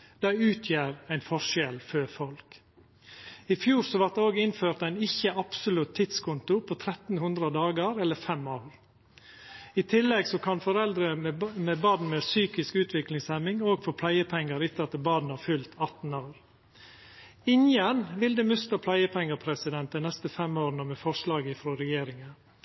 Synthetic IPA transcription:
d̪̥æɪʉːt̪ʰjæːɾæɪnfɔʃɛlføfɔlk | ɪfjuːɾsɔʋɑɾ̚d̪ɛoːɡɪnføːɾt̪æɪnɪçəʔɑpsʊlʉt̪ʰːɪt̪skʰʊnt̪ʊpʰɔt̪ʰɾɛt̪n̩hʉnd̪ɾəd̪ɑːɡəɾɛlːəɾfɛmːoːʋɾ | ɪt̪ʰɪlːɛɡsɔkʰɑnfɔɾɛld̪ɾəmeːbɑːd̪n̩meːsyːkɪskʉːt̪ʰʋɪklɪŋsɛmːɪŋoːɡfɔɾpʰlæɪəpʰɛŋːəɾɪt̪ːəɾɑt̪əbɑːd̪n̩hɑɾfʉlt̪ʰɑt̪n̩oːɾ | ɪnjənʋɪld̪əmʉst̪əpʰlæɪəpʰɛŋːəpʰɾɛsɪd̪ɛnt̪d̪ɛɪnɛst̪əfɛmoːɾnəmɛfɔʂlɑːɡəfɾoːɾɛjeːɾɪŋə

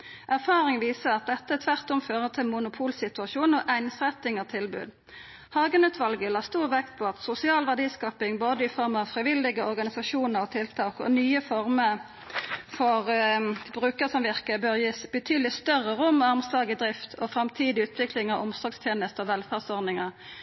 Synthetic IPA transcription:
ʔæʁfɑːʁɪŋʋiːsəʁɑt̪̚d̪ɛt̪ːəæt̪ʰʋæʁt̪ɔmføːʁət̪ʰɪlmʊnʊpʰuːlsɪt̪ʉɑʃuːnɔʔæɪnsʁɛt̪ːɪŋɑt̪ʰɪlbʉ̰ːd̪ | hɑːɡənʉːt̪ʰʋɑlɡəlɑːst̪uːʁʋɛkt̪̚pʰoːɑt̪sʊsɪɑːlʋæʁd̪iːskɑːpɪŋboːd̪əɪfɔɾmɑʋfʁɪʋɪld̪ɪɡəɔʁɡɑnɪsɑʃuːnəɾɔt̪ʰɪlt̪ʰɑːkɔ̰nyːəfɔʁmə | fɔʁbʁʉːkəsɔmʋɪʁkəbøːʁjiːsb̥ət̪ʰyːd̪əlɪst̪œʁəɾʊmːɑʁmslɑːɡɪd̪ʁɪft̪ʰɔfʁɑmt̪ʰiːd̪ɪʉːt̪ʰʋɪklɪŋɑʋʊmsɔːɡst̪ʰjeːnəst̪ɔʋɛlfæʁsɔʁnɪŋəʁ

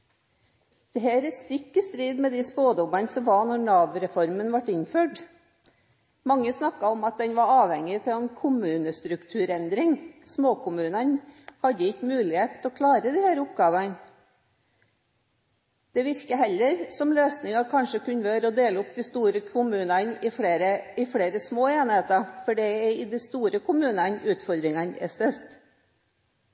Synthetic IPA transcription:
d̪̥ɛɦæːɾəst̪ɪkːəst̪ɾiːd̪mɛd̪ɪspoːd̪ɔmɑnsɔmʋɑnɔɾnɑːʋɾɛfɔɾmənʋɑʈɪɲføːʈ | mɑŋːəsnɑkːɑɔmɑt̪̚d̪ɛnʋɑɾɑːʋhɛŋːɪt̪ʰɪlɛnkʰʊmʉːnəst̪ɾʉkt̪ʰʉːɾɛnd̪ɾɪŋsmoːkʊmʉːnɑnhɑd̪ːəɪkːmʉːlɪheːt̪ʰɔːkʰlɑːɾəd̪ɪhæːɾʊp̚ɡɑːʋɑn | d̪̥ɛʋɪɾkəɦɛlːəɾsɔmløːsnɪŋɑkʰɑnʂəkʉnʋøːɾɔd̪eːləʊp̚d̪ɪst̪uːɾəkʰʊmʉːnɑnɪfeːɾəɪfɽeːɾəsmoːeːnheːt̪ɑfɔɖɛɪd̪ɛst̪uːɾəkʰʊmʉːnɑnʉːt̪fɔɾd̪ɾɪŋɑnɛ̰st̪œɾt̪

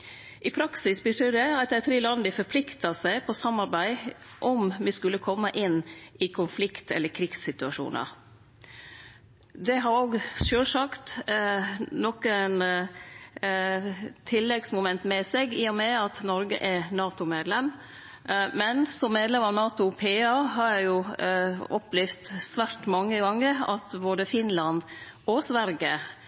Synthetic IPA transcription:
ʔɪpʰɾɑksɪsbɪt̪əd̪ɛɑt̪̚d̪ɛɪt̪ʰɾiːlɑnd̪əfɔpʰlɪkt̪ɑsæɪpʰɔsɑmːɑɾbæɪ | ʔɔmʋɪskʉlːəkʰɔmːəʔɪnːɪkʰʊnflɪkt̪ɛlːəkʰɾiksːɪt̪ʉɑʂṵːnə̰ɾ | d̪ɛɦɑɾoɡʃøːlsɑkt̪ | nɔkən | t̪ʰɪlːɛɡsmʊmɛnt̪mɛsɛɡiːʊmɛɑt̪nɔɾɡə̰ʔɛnɑːt̪ʊmeːd̪lɛm | mɛnsɔmːeːd̪lɛmɑʋnɑːt̪ʊpʰeːɑɦɑɾjæɪjʊ | ɔplɪft̪sʋæɾʈ̪mɑŋːəɡɑŋːəɾɑ̰t̪boːd̪əfɪnlɑnd̪ɔsʋæɾɡə

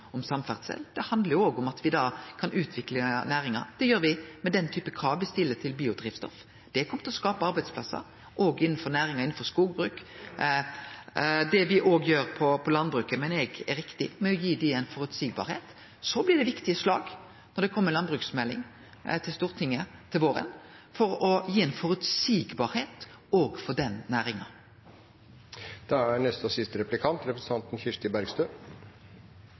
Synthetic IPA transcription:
ɔmsɑmfæ̰ʁd̪sɛ̰lːd̪̥ɛhɑnd̪ləɾjʊoːɡʊmɑt̪ʰʋɪd̪ɑːkʰɑnʉːt̪ʰʋɪklənæːɾɪŋɑ̰ɾd̪̥ɛjøːɾʋɪmɛd̪ɛnt̪ʰyːpəkʰɾɑːʋʋɪst̪ɪlːət̪ʰɪlbiːʊd̪ɾiːʋst̪ɔ̰f | d̪̥ɛkʰɔmət̪ɪlɔskɑːpəɑɾbæɪspʰlɑ̰sːə̰ɾ | ʔoːɡɪnːn̩fɔɾnæːɾɪŋɑɪnn̩fɔɾskuːɡbɾʉːk | d̪ɛʋɪʔoːɡjøːɾpʰɔpʰɔlɑnbɾʉːkəmɛnɛɡɛɾɪkt̪ɪmɛɔjiːd̪ɪɛnfɔɾʉt̪siːɡbɑ̰ɾheːt̪ | sɔblɪd̪ɛʋɪkt̪ɪəslɑ̰ːɡ | nɔɖ̪ɛkʰɔmːəɾlɑnbʁʉːksmɛlːɪ̰ŋ | t̪ʰɪlst̪uːʁt̪ʰɪŋːət̪ʰɪlʋoːɾə̰nfɔɾɔjiːɛnfɔɾʉt̪siːɡbɑːɾheːt̪oːɡfɔd̪ɛnnæːɾɪŋɑ | d̪̥ɑæɳɛst̪ɔsɪst̪əɾɛplɪkʰɑnt̪ɾɛpɾəst̪ʰɑnt̪n̩çɪʂt̪ɪbæɾɡst̪øː

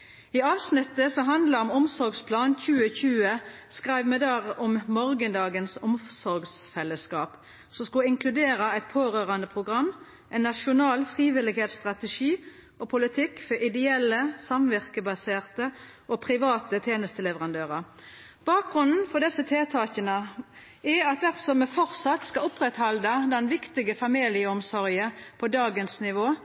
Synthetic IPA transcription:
ɪɑːʋsnɪt̪ːəsɔɦɑnd̪ləʁɔmɔmsɔɾɡspʰlɑːnc͡çʉːəçʉːəskʁæɪʋmɛd̪ɑːʁɔmmɔʁɡənd̪ɑːɡənsɔmsɔɾɡsfɛlːəskɑːp | sɔmskʊlɪŋkʰlʉd̪eːʁɑæɪt̪̚pʰoːɾøːʁɑnd̪əpʰʁʊɡʁɑmː | ʔɛɪnːɑʃʊnɑːlfʁiːʋɪlɪɡheːt̪st̪ʁɑt̪əʃiː | ɔpʰʊlɪt̪ʰɪkːfɔɾɪd̪ɛɛlːəsɑmʋɪʁkəbɑseːʁt̪ə | ʔɔpʰʁɪʋɑːt̪ət̪ʰjeːnəst̪əlɛʋəʁɑnd̪øːʁəʁ | b̥ɑːk̚ɡʁʉnn̩fɔd̪ɛsːət̪ʰeːt̪ʰɑːçənə | ɪɑt̪̚d̪æʁsɔmɛfɔʁt̪sɑt̪skɑʊpʁɛt̪hɑld̪əd̪ɛnʋɪkt̪ɪɡəfɑmiːlɪəɔmsɔʁjəpʰɔd̪ɑːɡənsnɪʋoː

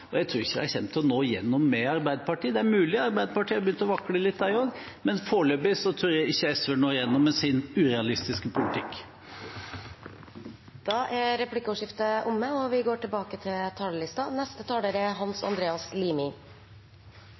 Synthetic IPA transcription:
ɔjæɪt̪ʰɾʉːɾɪçːəd̪ɛæɾçɛnt̪ʰɔnoːjɛ̰nːɔmːɛɑɾbæɪd̪əpɑʈiːd̪ɛæɾmʉːlɪɑɾbæɪd̪əpɑʈʰiːɔbjʏnt̪əɔʋɑkɽəlɪt̪ːd̪æɪɔɡ | mɛnfoːɭøːbɪsɔt̪ʰɾʉːɾjæɪɪçːəɛsʋəɳoːjɛnːɔmːɛsɪnʉɾɛɑlɪst̪ɪskəpʰʊlɪt̪ʰɪkː | d̪̥ɑːʔæɾɛpʉlɪkːəɔːʂɪft̪əʔʊmːəɔʋɪɡoːʈʰɪlbɑːkət̪ʰɪlt̪ʰɑːləɭɪst̪ɑnɛst̪ət̪ʰɑːləɾɛɦɑnsɑ̰nd̪ɾeːɑsliːmɪ

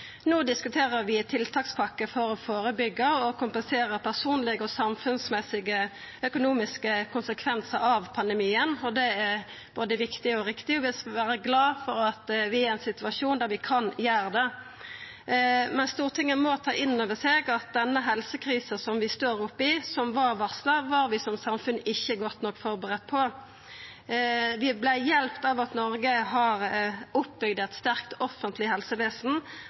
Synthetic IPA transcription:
noːd̪ɪskʉt̪ʰeːɾəɾʋɪt̪ʰɪlt̪ʰɑːkspʰɑkːəfɔɾɔfoːɾəbʏɡːəɔkʊmpənseːɾəpʰæʁsuːnlɪɡəɔsɑmfʉnsmɛsɪɡə | œkʊnuːmɪskəkʰʊnsəkʰʋɛnsəɾɑʋpʰɑnd̪ɛmiːənɔd̪ɛɛ | b̥oːd̪əʋɪkt̪ɪɔɾɪkt̪ɪɔʋɪlsʋæːɾəɡlɑːfɔɾɑt̪ʋɪæɾɛnsɪt̪ʉɑʂuːnd̪æɾʋɪkʰɑnjæːɾd̪ɛ | mɛnst̪uːʁt̪ʰɪŋːənmɔt̪ʰɑːʔɪnːoːʋəseːɡɑt̪̚d̪ɛnːəɦɛlsəkʰɾiːsəsɔmʋɪst̪oːɾʊpːɪsɔmʋɑʁʋɑʁsləʋɑɾʋɪsɔmsɑmfʉnːɪçːəɡɔt̪ːnɔkːfɔʁbəʁɛt̪̚ːpʰɔ | ʋɪblæɪjɛlpt̪ɑʋɑt̪nɔɾɡəɦɑɾʊpbʏɡ̚d̪ɛt̪st̪æʁkt̪ɔfːənt̪ʰlɪɦɛlsəʋeːsn̩

